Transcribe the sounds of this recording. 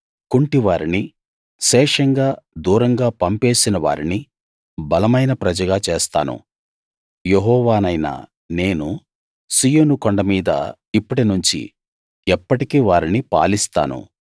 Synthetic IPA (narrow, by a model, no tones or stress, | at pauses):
kuɳʈiʋaːɾini | ʃɛːʂɐŋɡaːd̪uːɾɐŋɡaːpɐmpe̞ːsinɐʋa̰ːɾini | bɐlɐmɐjnɐpɾɐd͡ʒɐɡaːt͡ʃeːst̪a̰ːnṵ | jeɦɔːʋaːnɐjnɐ̰ | ne̞ːnu | sijoːnukoɳɖɐmiːd̪ɐ̰ | ipːuʈinuɲt͡ʃḭ | ɛpːɐʈikiːʋaːɾinipa̰ːlist̪a̰ːnṵ